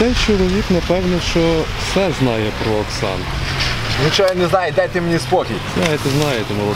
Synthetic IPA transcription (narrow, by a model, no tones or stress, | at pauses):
t̪ɛjt͡ʃɔlˠɔʋʲiknɐpɛwnʲiʃt͡ʃɔwsɛznɑjɛpɾɔːksɑ̰n | nʲit͡ʃɔɔnɛznajed̪ɛt̪ɪmnʲispɔkʲḭ | nɑjet̪ɛznɑjet̪ɛmulˠɔ